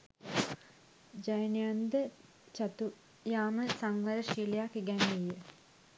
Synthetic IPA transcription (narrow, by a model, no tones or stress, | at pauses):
d͡ʑɐjnijand̪ɨ | t͡ɕɐt̪u | jaːmɨsɐŋʋɐɾɐʃiljakiɡanːiji